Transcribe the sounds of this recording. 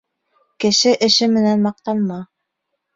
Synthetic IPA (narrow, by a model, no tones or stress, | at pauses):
kɘ̆ʃɘʔɘ̆ʃɘmɘ̆nænmɑq̚t̪ɑnmɑ